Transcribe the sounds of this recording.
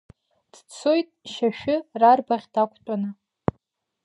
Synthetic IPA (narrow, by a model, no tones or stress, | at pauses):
d̥t͡sʰojtʼʃaʃᶣɪrarbaʁʲdakʷʰtʷʼanɨ